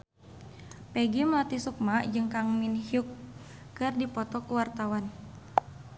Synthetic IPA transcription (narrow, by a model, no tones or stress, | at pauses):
pɛɡimlat̪isuk̚mad͡ʒɨŋkaŋminhiukː | ɨrdipɔt̪ɔkuwart̪awan